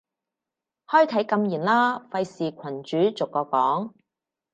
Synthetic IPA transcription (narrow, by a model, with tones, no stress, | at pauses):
hɔː˥jt̪ʰɐ˨˥jkɐ˧mjiː˨˩nlaː˥fɐ˧jsiː˨kʷʰɐ˨˩nt͡ʃyː˨˥t͡sʊ˨˩kːɔː˧kɔː˨˥ŋ